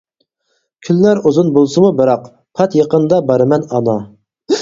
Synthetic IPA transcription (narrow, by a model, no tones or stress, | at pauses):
kʲʰylːæɾuzunbolˠsɨmubɨɾɑq | pʰɑt̪jeqənd̪ɑbɑɾɨmɛnɑnɑ